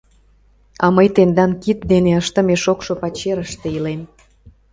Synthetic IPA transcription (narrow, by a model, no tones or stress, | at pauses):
ɑməjt̪end̪ɑnkit̪̚d̪eneəʃt̪ə̆meʃokʃopɑt͡ɕeɾəʃt̪eilem